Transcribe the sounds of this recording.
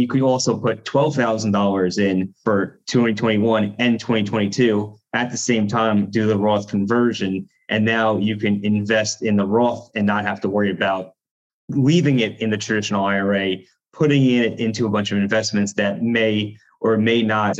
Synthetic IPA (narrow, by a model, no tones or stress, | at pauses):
jɨkʰɨɾɔlˠsoʊpʰʊtʰw̥ɛlˠv̥θaʊzn̩dɔlˠə˞zɪ̃nfə˞tʰw̥ɛ̃ñitʰw̥ɛ̃ɾ̃iwʌ̃nɨ̃ntʰw̥ɛ̃ɾ̃itʰw̥ɛ̃itʰʉ | ɨt̪̚ðɨsẽɪ̃mtʰãɪ̃mdɨðəɹɔθkʰɨ̃ɱvɜ˞ʒɨ̃n | ʔɨ̃nːaʊjɨkɨ̃nɪ̃ɱvɛstɨ̃nðəɹɔθɨ̃nːət̚ɦæftəwɜ˞iɨbaʊt̚ | livɪ̃ŋɪɾɨ̃nðɨtʰɹ̥ɨdɪʃn̩l̩ˠaɪə˞eɪ | pʰʊɾɪ̃ŋɪ̃nɪɾɪ̃ntʉəbʌ̃nt͡ʃʌvɨ̃ɱvɛsmɨ̃ntsðɨt̚meɪ | ʔə˞meɪnət